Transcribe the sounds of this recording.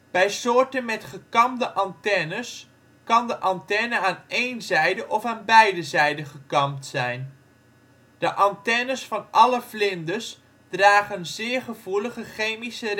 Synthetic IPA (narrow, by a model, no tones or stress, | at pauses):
bɛjsʊːɹtənmɛtχəkɑmdəʔɑntɛnəs | kɑndəʔɑntɛnəaːnejnzɛjdəʔɔfaːnbɛjdəzɛjdəχəkɑmtsɛjn | d̥əʔɑntɛnəsfɑnʔɑləflɪndəs | d̥raːχənzɪːɹχəv̥uləχəχejmisər